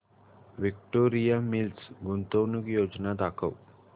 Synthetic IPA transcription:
ʋik̚ʈoɾijamilsɡunt̪əwnukjod͡ʒnad̪akʰəʋ

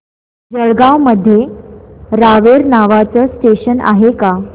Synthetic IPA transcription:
d͡zəɽɡawməd̪ʱːje | ɾaʋeɾnaʋat͡səsʈeɕəna̰ɦeka

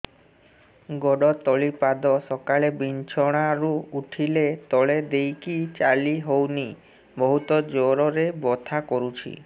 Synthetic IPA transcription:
ɡɔɽɔt̪ɔɭipad̪ɔsɔkaɭebint͡ʃʰɔɽ̃aɾuuʈʰilet̪ɔɭed̪ejkit͡ʃaliɦowni | bɔɦut̪ɔd͡ʒoɾɔɾebɔt̪ʰakɔɾut͡ʃʰḭ

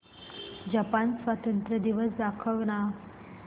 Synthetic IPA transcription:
d͡ʑapansʋat̪ənt̪ɾəd̪iʋəsd̪akʰəʋna

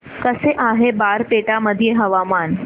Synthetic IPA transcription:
kəseʔaɦebaɾpeʈaməd̪ʱijeɦəʋaman

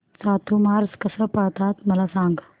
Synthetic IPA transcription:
saːt̪ʰumaɾskəsəːpat̪at̪məlasãŋɡ

